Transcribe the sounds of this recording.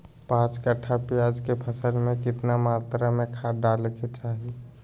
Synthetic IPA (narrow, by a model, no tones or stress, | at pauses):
pãːt͡ʃkəʈʰapɪjaːd͡ʒkepʰəsəlmẽkɪt̪namaːt̪ɾamẽkʰaːɖaːlket͡ʃaːɦi